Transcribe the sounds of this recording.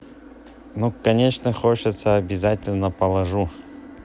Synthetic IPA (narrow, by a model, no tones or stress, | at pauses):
nukɐnʲeʂnəxot͡ɕɪt̪səɐbʲɪzatʲɪlʲnəpəlˠɐʐu